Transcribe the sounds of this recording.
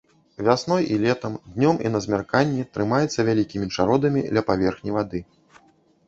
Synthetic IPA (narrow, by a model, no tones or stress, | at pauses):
vʲasnɔjʔilʲɛt̪ɐmd̪nʲɔmḭnɐzʲmʲarkanʲːɛt̪ɾɨmajɛt̪sːɐvʲalʲikʲimʲit͡ʂaɾɔd̪ɐmʲid̪lʲɐpavʲɛrxnʲijvad̪ɨ